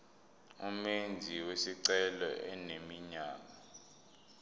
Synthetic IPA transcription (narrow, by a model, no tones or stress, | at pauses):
umend͡zʱiwesiǀɛlɔʔɛnemiɲaːma